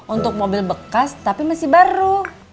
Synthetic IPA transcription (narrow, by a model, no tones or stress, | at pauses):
unt̪ʊk̚mobɪlbəkast̪apimasɪhbaɾu